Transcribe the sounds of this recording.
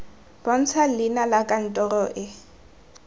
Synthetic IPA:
b̥ɔn̩t͡sʰalɪnalakʼan̩tʼɔrɔʔɪ

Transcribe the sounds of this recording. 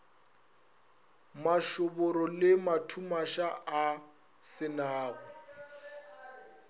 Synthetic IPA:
maʃʊbʊɾɔlɪmatʰumaʃaː | sɪnaːbɔ

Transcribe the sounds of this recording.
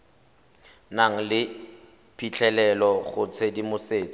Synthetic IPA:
naŋ̩lɪ | pʰit͡ɬʰɛlɛlɔχʊt͡sʰedimʊseːt͡sɔ̥

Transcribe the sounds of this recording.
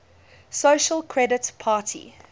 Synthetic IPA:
soːʃəlkʰɹɛdətpʰaːˑtʰḭ

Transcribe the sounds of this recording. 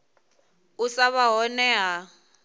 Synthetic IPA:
usaβaɦɔnɛɦa

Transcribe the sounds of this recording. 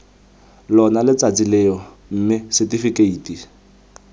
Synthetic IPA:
lɔnalɪt͡sat͡sileɔ | m̩mɪsɛtifikeiːti

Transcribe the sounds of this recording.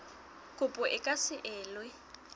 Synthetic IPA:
kʼʊpʼʊʔɪkʼasɪʔɛːlwɪ

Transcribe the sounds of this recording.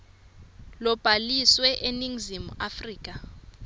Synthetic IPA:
lɔb̥ʱaliswɛʔeniŋzimṵafriːk̬ʼa

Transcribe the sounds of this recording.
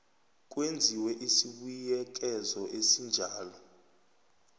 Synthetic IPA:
k̬ʼwend͡zʱiwɛʔisiɓujɛk̬ɛzɔʔesind͡ʒʱaːlɔ

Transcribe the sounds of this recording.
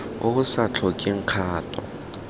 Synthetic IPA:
ʊʊsat͡ɬʰɔkʼɪŋ̩q͡χʰaːtʼɔ̰

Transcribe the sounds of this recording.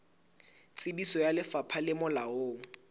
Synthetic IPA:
t͡sʼɪbisɔjalɪfapʰalɪmʊlaoːŋ̩

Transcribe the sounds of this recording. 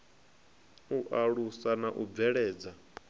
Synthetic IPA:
uʔaɺusanaʔub̪vɛɺɛːd͡za

